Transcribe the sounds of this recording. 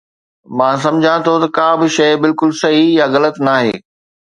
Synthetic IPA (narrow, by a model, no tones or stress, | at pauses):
mãːs̬ɐ̃md͡ʑʱãt̪ʰot̪ɐkãːbɪʃɐɪbɪlkʊlsɐɦijaɣɐlət̪naːɦḛː